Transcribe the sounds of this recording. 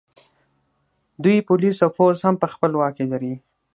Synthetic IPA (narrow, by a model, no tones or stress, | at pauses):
d̪ujpulisawfozhampəxpəlwɑkelaɾi